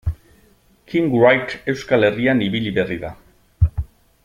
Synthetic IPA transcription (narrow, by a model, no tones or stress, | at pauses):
kʰiŋɡrajt̪e̞wskale̞rianiβiliβe̞riða